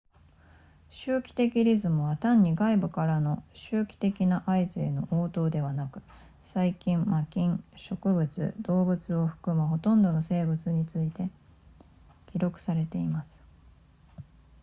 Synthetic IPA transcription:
ɕɨːkʲi̥t̪e̞kʲiɾʲizɨmɯ̟βat̪ãɲ̟ːiɡaibɯ̟kaɾano̞ɕɨːkʲi̥t̪e̞kʲinaʔaizɨeno̞ʔoːt̪o̞ːd̪e̞β̞anakɯ̟̥ | saikʲĩmmakʲĩɰ̃ɕo̞kɯ̟bɯ̟t͡sɨ̰d̪o̞ːbɯ̟t͡sɨo̞ɸɯ̟̥kɯ̟mɯ̟ɦo̞t̪õ̞nd̪o̞no̞se̞ːbɯ̟t͡sɨɲ̟it͡sɨit̪e̞ | kʲiɾo̞kɯ̟̥saɾe̞t̪e̞imasɨ̥

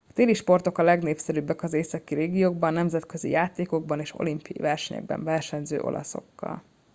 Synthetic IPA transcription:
ɒt̪eːliʃpo̞rt̪o̞kɒlɛɡneːfsɛɾybːɛkɒzeːsɒkiɾeːɡijoːɡbɒnːɛmzɛt̪kø̞zḭjaːt̪eːko̞ɡ̚bɒneːʃo̞̰limpḭḭvɛrʃɛɲɛ̰ɡ̚bɛ̰ɱvɛrʃɛɲzø̰ːʔo̞̰lʔɒ̰so̞̰kːɒ̰l

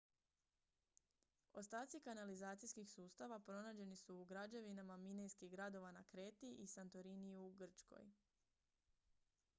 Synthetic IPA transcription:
o̞st̪aːt̪sikanalizaːt̪sijskixsuːst̪aʋapɾo̞naːd͡ʑe̞nisuːɡɾad͡ʒe̞ʋinamamine̞jskiɣɡɾad̪o̞ʋanakɾe̞ːt̪iʔisant̪oɾiniuɡr̩t͡ʃko̞̰j

